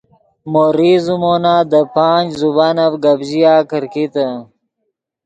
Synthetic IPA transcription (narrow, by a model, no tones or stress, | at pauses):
moɾizumonaːd̪əpaːnd͡ʑzubanɐfɡɐbʑijaːkəɾkit̪ə